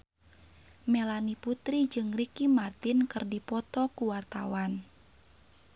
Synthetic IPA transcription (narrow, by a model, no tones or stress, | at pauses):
melaniput̪ɾid͡ʒɨŋrikimart̪inkɨrdipɔt̪ɔkuwart̪a̰wan